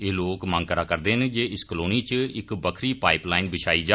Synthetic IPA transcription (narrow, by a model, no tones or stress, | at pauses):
eːloːkmə̃ŋɡkəɾaːkəɾd̪eːɦənd͡ʒeːɪskəloːniːt͡ʃəɪkbəkʰɾiːpaːɪplaːɪnbɪʃʰaːiːd͡ʒaː